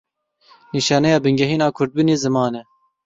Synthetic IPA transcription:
niːʃɑːnɛjɑːbɨŋɡɛɦiːnɑːkʰʊɾd̪̚bɨneːzɨmɑːnɛ

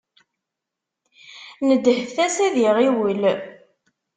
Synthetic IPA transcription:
nəd̪ːhfθæsæðiʁiwəl

